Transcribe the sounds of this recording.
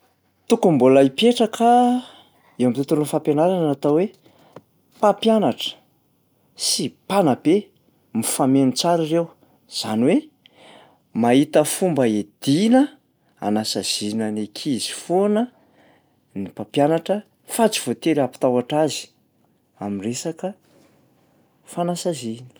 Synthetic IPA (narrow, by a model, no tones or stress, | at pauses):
t̪ukumbolaipeʈ͡ʂakʰa | ewamit̪ut̪uɾunfampenaɾanat̪awe | papjanaʈ͡ʂə̥ | sipanabe | mifamenit͡saɾirew | z̥aniwe | maɦit̪əfumbəed̪̥inə | a̰nasaz̥inanekʰizi̥fonə | nipapjanaʈ͡ʂə | fat͡si̥v̥ot̪eɾapi̥t̪awaʈ͡ʂazi̥ | aminresakə | fanasazinə̥